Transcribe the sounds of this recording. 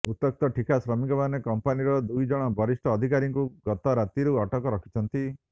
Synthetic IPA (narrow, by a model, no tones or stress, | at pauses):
ut̪ːɔk̚t̪ɔʈʰikasɾɔmikɔbanekɔmpaniɾɔd̪ujd͡ʒɔɽ̃ɔbʱɔɾisʈɔːd̪ʱikaɾiŋkuɡɔt̪ɔɾat̪iɾuɔʈɔkɔɾɔkʰi̥t͡ʃʰɔnt̪i